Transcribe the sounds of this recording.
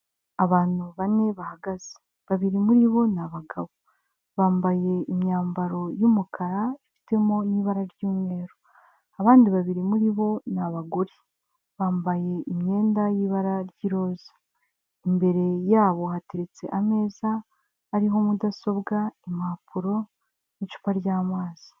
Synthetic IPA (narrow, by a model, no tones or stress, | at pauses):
aβaːn̥uβane̞βahaɡaze̥ | βaβiɾimuɾiβo̞naβaɡaβo | βaːmbaje̞imɲaːmbaɾo̞jumukʰaɾaifi̥te̞mo̞niːβaɾaɾjuːmŋe̞ːɾo | aβaːndiβaβiɾimuɾiβo̞naβaɡoɾi | βaːmbaje̞ʔimɲe̞ːndajiːβaɾaɾjiɾo̞ːzḁ | imbe̞ɾe̞jaːβo̞ɦateɾet͡se̞̰ʔame̞ːzaː | ɾiɦo̞mudaso̞bɡaimapʰuɾo̞ | nit͡ʃu̥paɾɟaːmaːz̥i̥